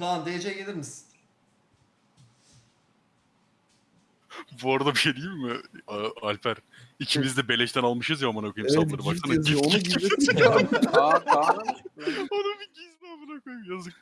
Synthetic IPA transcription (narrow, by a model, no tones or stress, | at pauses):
aand̪ejed͡ʒɛelʲiɾmiz̥ | buaɾad̪abiʃed̪ijimːɪaalʲpʰæɾicʰimizd̪ɛbe̞lʲɛʃt̪ʰænalˠmɯʃɯzjaamanakʰojɯmsalˠaɾɯbaʃt̪anaioni | onabiɟizmɛmanakojumjazɯk̚